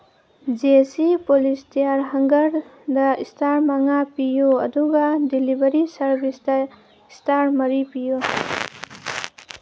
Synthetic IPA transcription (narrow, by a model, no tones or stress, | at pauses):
d͡ʒesipolistijaɾɦɐŋɡɐɾdɐistaɾmaŋapijuɐ̰duɡɐdilibɐɾisɐɾbisdɐ | istaɾmɐɾipijo